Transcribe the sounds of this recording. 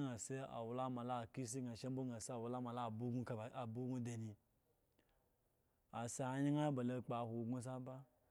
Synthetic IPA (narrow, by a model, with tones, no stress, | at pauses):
ŋa˨se˦a̰˨wu˨la˦ma˨la˦˨ki˦s̬i˦ŋa˨ʃe˦m˦bo˦ŋa˨se˦a˨wu˨˦la˦ma˨la˦˨bu˦ɡu˦ka˨bu˦ɡu˦de˨ni˧ | a˨sa˨a˨˦ɲi˦ŋa˦ba˨lo˧˨k͡pa˨hʷo˨ɡu˦s̬a˦ba˦